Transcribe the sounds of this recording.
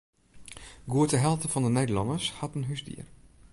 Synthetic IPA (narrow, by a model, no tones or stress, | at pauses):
ɡuətəɦɛlˠtəfɔndənedəlɔndəshɑtənɦysdḭər